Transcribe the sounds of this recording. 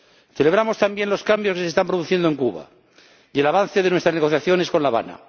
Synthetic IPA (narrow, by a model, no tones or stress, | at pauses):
θele̞β̞ɾamost̪ambje̞nlo̞skambjoske̞sest̪ampɾoðuθje̞nd̪oeŋkuβa̰ | jelaβ̞an̟θe̞ðenwest̪ɾazne̞ɣo̞θjaθjo̞nesko̞nlaβa̰na̰